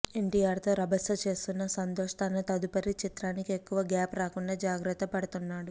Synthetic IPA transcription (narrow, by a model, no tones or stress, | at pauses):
e̞ɳʈijaːɾt̪o̞ːɾɐbʱɐsɐt͡ʃe̞ːst̪unːɐsɐnt̪oːʂt̪ʰanɐt̪ɐd̪upɐɾit͡ʃit̪ɾaːnikie̞kːuʋɐɡaːpɾaːkuɳɖaːd͡ʒaːɡɾɐt̪ːɐpɐɽɐt̪unːaːɽu